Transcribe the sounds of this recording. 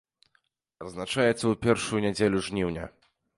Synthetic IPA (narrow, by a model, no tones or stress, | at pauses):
ɐznat͡ʂajɛt̪sːɐupʲɛrʂujunʲɛd͡zʲelʲuʐnʲiwnʲɐ̰